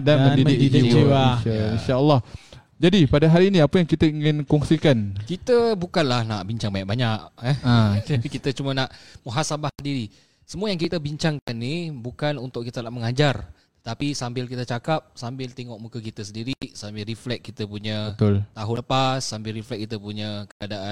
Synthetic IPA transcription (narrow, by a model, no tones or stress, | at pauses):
danmə̃didɪdidiaʃainʃaəlːɑh | d͡ʒadipadaɦaɾiːnĩapəjaŋkit̪əiŋɪnkɔŋsikankit̪əbukanlahna̰ʔbiɲt͡ʃaŋbaɲaʔ̚baɲaʔɛad͡ʒaikit̪ət͡ʃumənaʔmuɦasabahdiɾi | səmuajaŋkit̪əbiɲt͡ʃaŋkanːibukanunt̪ʊʔkit̪ənaʔməŋad͡ʒar | t̪ət̪apisambɪlkit̪ət͡ʃakap̚sambɪlt̪eŋɔʔmukakit̪əsəndiɾisambɪlriflɛk̚kːit̪əpuɲat̪ʊlt̪aɦʊnləpasːambɪlriflɛk̚kːit̪əpuɲakəadaʔan